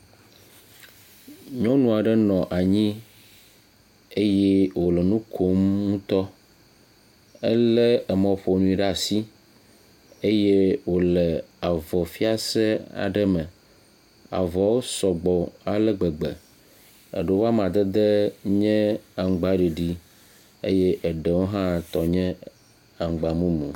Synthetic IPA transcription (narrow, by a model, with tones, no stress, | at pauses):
ɲɔ̃˦nũ˦a˨ɖə˦nɔ̃˨ʔa˨ɲĩ˦ | e˦jɛ˦wo˨lɛ˨nũ˦kʰo˦mŋũ˦t̪ɔ˦ | ə˦lɛ˦ə˨mə̃˨o˨ɸo˨nũ˦i˨ɖɛ˦a˨si˦ | e˦je˦wo˨lɛ˨a˨vɔ˨fi˦a˨sɛ˦a̰˨ɖə˦mɛ̃˨ | a̰˨vɔ˨wo˦sɔ˨ɡ͡bɔ˨a˨lɛ˦ɡ͡bə˨ɡ͡bɛ̰˨ | ə̰˨ɖə˨˦wo˦a˦m˨ã˨d̪ə˦d̪e˦ɲɛ̃˦a˨ŋ˨˦ɡ͡ba˦ɖi˨ɖi˦ | ḛ˦je˦ʔə˨ɖɛ˨wo˦ɦã˦t̪ɔ˨ɲɛ̃˦ | a˨ŋ˨ɡ͡ba˨mũ˦mṵ̃˨